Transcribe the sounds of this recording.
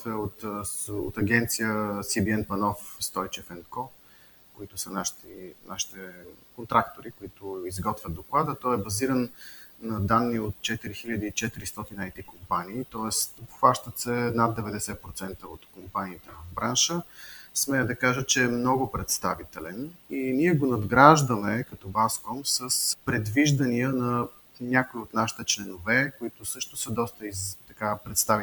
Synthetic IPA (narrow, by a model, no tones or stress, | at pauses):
vɛot̪o̰t̪ɐɡʲɛnt̪sijəsibiɛnpɐnɔfst̪ɔjt͡ʃɛfɛnkɔ | koit̪ʊsənaʃt̪inaʃi̥t̪ɛkont̪ɾakt̪oɾikoit̪ʊizɡɔt̪vʲjəd̪oklˠad̪ət̪ɔɛbɐziɾənːɐd̪anːiot̪̚t͡ʃɛt̪iɾixiʎʲəd̪iːt͡ʃɛt̪iɾist̪ɔt̪inəːjt̪ikompaniːt̪ɔɛst̪pxvaʃt̪ət̪sɛnad̪ːɛvɛd̪ɛsɛpɾot̪sɛnt̪əo̰t̪kompaniːt̪ɛvɐvbɾanʃəsmɛd̪ɐkaʒət͡ʃɛːmnɔɡʊpɾɛt̪st̪avit̪ɛlɛniniɛɡonɐd̪ɡɾaʒd̪əmɛkɐt̪ɔbaskɔmsəspɾɛd̪viʒd̪ɐniənɐ | nʲakʊiot̪naʃi̥t̪ɛt͡ʃlɛnovɛkoit̪ʊsɤʃt̪ʊsəd̪ɔst̪əizt̪ɐkapɾɛt̪st̪avi